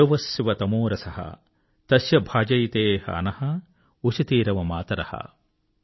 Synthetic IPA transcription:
ɐʋɐsjʋɐt̪ɐmoːɾɐsɐɦɐ̰ | t̪ɐsjɐbʱaːd͡ʒɐjt̪eːɦɐ̰ɐ̰nɐhɐ | ut͡ʃit̪iːɾɐʋɐmaːt̪ɐɾɐ̰hɐ̰

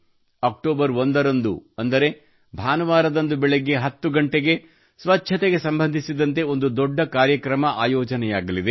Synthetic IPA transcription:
ɐːk̚ʈoːbɐɾond̪ɐɾɐnd̪uɐnd̪ɐɾe̞ | bʱaːnɐʋaːɾɐd̪ɐnd̪ubɛɭeɡe̞ɦɐt̪ːuɡɐɳʈeɡe̞ | sʋɐtːʃʰɐt̪eɡe̞sɐmbɐnd̪ʱisid̪ɐnt̪̬e̞o̞nd̪ud̪ɔɖːɐkaːɾjɐkɾɐmɐʔaːjɔːd͡ʒɐnɛjaːɡɐlid̪e

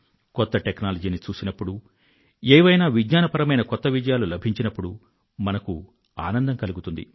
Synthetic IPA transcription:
kɔt̪ːɐʈeknaːlɐd͡ʒiːnit͡ʃuːsinɐpːuɽu | eːʋɐjnaːʋidɲaːnɐpɐɾɐmɐjnɐkɔt̪ːɐʋid͡ʒɐjaːlulɐbʱiɲt͡ʃinɐpːuɽu | mɐnɐku | a̰ːnɐnd̪ɐŋkɐluɡut̪und̪ḭ

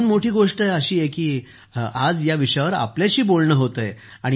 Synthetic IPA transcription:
nmoʈʰiːɡoʂʈəjəɕiːjekiː | ad͡zjaʋiʂjaʋəɾa̰pljaɕiːbolɳəːɦot̪əj | aɽi

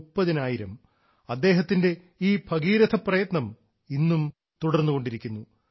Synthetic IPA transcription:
upːɐðinaːjiɾɐm | ɐd̪ːe̞ːɦɐt̪ːinde̞ | iːbʱɐɡiːɾɐd̪ʰɐprɐjɐt̪nɐm | inːum | t̪uɽɐrnːuɣo̞ɳɖiɾikʲːunːu

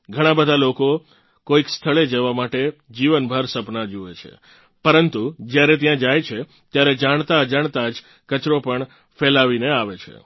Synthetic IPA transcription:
ɡʱəɽ̃ãbəd̪ʱaloko | koikst̪ʰəɭed͡ʒeʋamaʈed͡ʒiʋənbʱəɾsəpnad͡ʒuet͡ʃʰḛ | pəɾənt̪ud͡ʒjaɾet̪̬jãd͡ʒajt͡ʃʰe | t̪jaɾed͡ʒaɳ̃t̪ad͡ʒaɳ̃t̪ad͡ʒ | kət͡ʃɾopəɳ | felaʋineaʋet͡ʃʰḛ

